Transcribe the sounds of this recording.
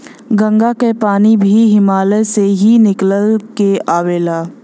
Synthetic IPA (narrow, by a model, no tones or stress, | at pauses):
ɡə̃ŋɡakepaːnibʱiɦɪmaːleseɦinɪkləlkeaːʋeːlaː